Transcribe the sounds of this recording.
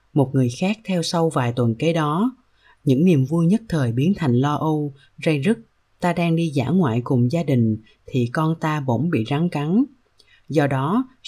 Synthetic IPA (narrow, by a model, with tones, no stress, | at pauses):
mo˨˩t̚ŋɨ˨˩əjxaː˦˥k̚t̪ʰɛ˧wsa˧wvaː˨˩jt̪wə˨˩nke˨˦ɗɔ˨˦ | ɲɨ̰˧˥ŋni˨˩əmvu˧jɲə˦˥t̚t̪ʰəː˨˩jɓi˨˦ənt̪ʰa˨˩jŋ̟lɔ˧ʔo˧ | za˧jzə˦˥t̚ | t̪aː˧ɗaː˧ŋɗi˧za̰ː˧˥˩ŋwa̰ː˧˨jkʊ˨˩ŋ͡mzaː˧ɗï˨˩ŋ̟ | t̪ʰi˨˩kɔ˧nt̪aː˧ɓo̰˧˥ŋ͡mɓḭ˧˨za˨˦ŋka˨˦n | zɔ˧ɗɔ˨˦